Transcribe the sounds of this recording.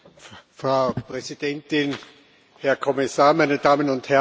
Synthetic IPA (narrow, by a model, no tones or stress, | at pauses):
fʁaʊpʁ̥ɛzid̥ɛntɪn | hɛɐkʰɔmɪsaːɐmæɪnəd̥aːmənʊnthɛ